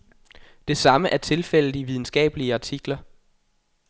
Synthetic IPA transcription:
d̥e̝sɑ̈məʔæɐt͡sʰe̝lfel̰ð̩diʋiðˠn̩sɡ̥ɛ̰ːb̥əliəɑ̈t͡sʰiɡ̥lɐ

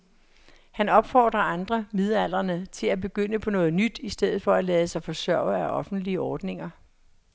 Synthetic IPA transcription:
hænɒ̽b̥fɒ̰ːd̥ʁɐʔɑ̈nd̥ʁɐmeðˠæl̰ɐnət͡sʰe̝læb̥e̝ɡ̥øn̰əpʰɒ̽nɔ̽ːð̞̩ˠnyd̥isd̥eð̰ð̩ˠfɒ̽ælɛːð̩ˠəsɑ̈ɪfɒ̽sɶɐ̰æʔɒ̽fn̩d̥liəɒːd̥ne̝ŋɐ

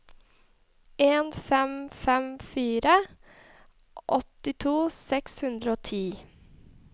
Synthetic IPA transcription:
eːnfɛmfɛmfiːɾə | ʔɔt̪ɪt̪ʰuːsɛkshʉnd̪ɾəoːt̪ʰiː

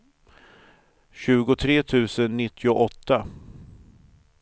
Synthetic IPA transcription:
ɕʉ̟ːɡʊt̪ʰɾeːt̪ʰʉ̟ːsənːɪt̪ʰːɪʊʔɔt̪ːa

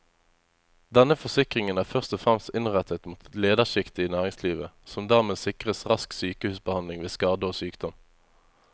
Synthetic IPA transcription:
d̪ɛnəfɔsɪkʁɪŋənæːʁfœʁst̪ɔfʁɛmst̪ɪnʁɛt̪ət̪muːt̪leːd̪əʁʃɪkt̪ɪiːnæːʁɪŋsliːʋəsɔmd̪æːʁmeːsɪkʁəsʁɑsksyːkəhʉːsbəhɑnlɪŋʋeːskɑːd̪əoːsyːkd̪̥ɔm

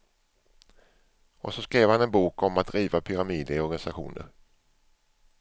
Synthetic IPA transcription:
ɔsɔskɾeːvhanɛnbuːkɔmat̪̚d̪ɾiːvapʰʏɾamiːd̪ɪɔɾɡanɪsaɧṵːnə̰ɾ

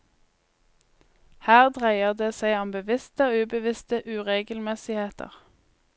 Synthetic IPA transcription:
hæːʁd̪ʁæɪəʁd̪eːsæɪɑmbəʋɪst̪əoːʉːbəʋɪst̪əʔʉːʁeːɡəlmɛsɪheːt̪ʰə̰ʁ

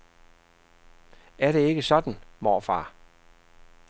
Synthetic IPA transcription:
æɐɾ̥e̝e̝ɡ̥əsɒ̽d̥n̩mɒːfɑ̰̈ː

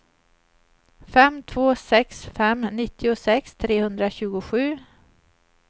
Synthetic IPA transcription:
fɛmt̪ʰvoːsɛksfɛmnɪt̪ːɪʊsɛkst̪ʰɾeːhɵnd̪ɾaɕʉ̟ːɡʊɧʉ̟ː

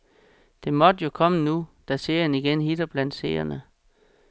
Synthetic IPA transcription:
d̥e̝mɒ̽d̥əjo̝kʰɒ̽mənud̥æse̝̰ɐ̰jɐniɡ̥enɦid̥ɐb̥læn̰d̥se̝̰ɐ̰jɐnə

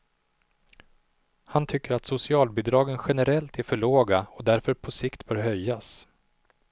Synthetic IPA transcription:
hant̪ʰʏkːəɾat̪sʊsɪɑːlbɪd̪ɾɑːɡənɧɛnɛɾɛlt̪æɾfœɭoːɡaɔd̪æɾfœɾpʰɔsɪkt̪bœːɾɦœjːas

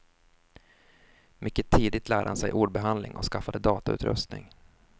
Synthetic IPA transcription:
mʔʏkːət̪ʰiːd̪ɪt̪læːɖəhansɛjʔuːɖbɛɦand̪lɪ̰ŋɔ̰skafad̪əd̪ɑːt̪aʉ̟ːt̪ɾɵ̰st̪nɪ̰ŋ

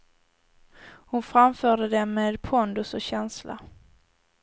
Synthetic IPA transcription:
hʊnfɾamfœːɖəd̪ɛmːeːd̪pʰɔnd̪ɵsɔɕɛnsla̰

